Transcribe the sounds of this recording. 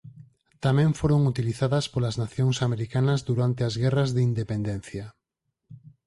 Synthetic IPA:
t̪amɛ̃ɱfoɾoŋut̪iliθaðɐspolaznaθjoŋsameɾikanɐzðuɾant̪eazɣɛrɐzðeind̪epend̪ɛn̟θjɐ

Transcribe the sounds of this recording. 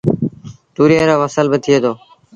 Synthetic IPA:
t̪uːɾijeːɾoːʋəsəlbɪt̪ʰɪeːd̪oː

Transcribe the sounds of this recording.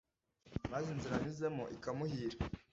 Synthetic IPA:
mazinziɾanizemoʔikamuhiːɾa

